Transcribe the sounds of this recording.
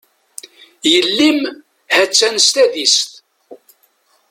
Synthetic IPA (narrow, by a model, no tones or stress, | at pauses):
jəlːim | hæt͡sːænst̪æðist̪